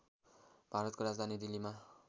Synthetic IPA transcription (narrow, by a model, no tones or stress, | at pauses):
b̥ʱaɾʌt̪̚koɾad͡zd̪ʱanid̪ilima